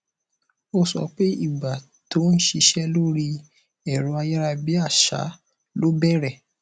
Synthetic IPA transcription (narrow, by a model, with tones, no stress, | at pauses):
o˦˧sɔ̰˧k͡pe˦i˦˨ɡ͡ba˨ | to˨˦n̩˦ʃi˧ʃɛ˦lo˦ɾi˧ | ɛ˨ɾõ˨˦a˧ja˦ɾa˧bi˦a˦˨ʃa̰˨˦ | lo˦bɛ˦˨ɾɛ˦˨